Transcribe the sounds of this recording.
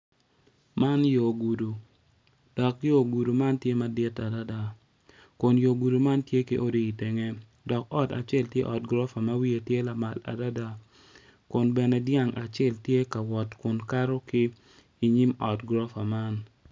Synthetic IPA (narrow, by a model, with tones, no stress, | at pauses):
ma˦njo˨ɡu˨du˨ | d̥ɔ˨kjo˦ɡu˨du˨ma˦ntje˦ma˦dɪ˦ta˨da˦da˦ | kʊ˨njo˨ɡu˨du˨ma˦ntje˦ki˦ʔo˦di˦˨i˨te˨ŋe˦ | dɔ˨kɔ˦ta̰˨t͡ʃɛ˦ltje˦ʔɔ˨t̚ɡɾɔ˦fa˨ma˦wi˦e˨tje˦la˨ma˨la̰˨da˦da˦ | kʊ˨nbɛ˨nɛ˨dja˦˨ŋa˨t͡ʃɛ˦˨ltje˦ka˨wɔ˨tkʊ˨nka˦ɾo˦kɪː˦ | ɲi˦mɔ˨tɡɾɔ˦fa˨ma˦n